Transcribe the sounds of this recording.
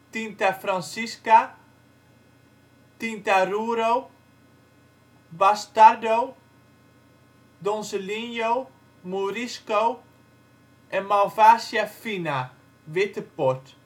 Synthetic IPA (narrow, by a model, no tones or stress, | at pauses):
tintafransiska | tintaruːɾow | bastadow | dɔnsəlinjow | muɾiskow | ʔɛnmalvaːsjafina | ʋɪtəpɔrt